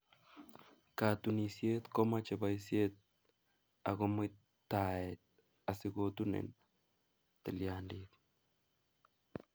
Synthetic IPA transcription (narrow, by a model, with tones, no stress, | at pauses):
ka˨t̪u˨ni˨sje˦t̪kɔ˦ma˦t͡ʃe˨ba˨isje˦t̪̚ | a̰˨ɣɔ˦mɪ˦ | t̪ːa˨ɛt̪̚ | a˨sɪ˦ɡot̪u˦nḛ˨n | t̪ɪ˨ljandit̪